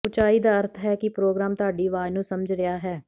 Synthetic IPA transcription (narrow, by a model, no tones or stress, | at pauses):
ʊt͡ʃaːiːd̪aːəɾt̪ʰɦɛːkɪpɾoːɡɾaːmt̪ʊaːɖiːʋaːjnũːsəməd͡ʒɾɪjaːɦɛː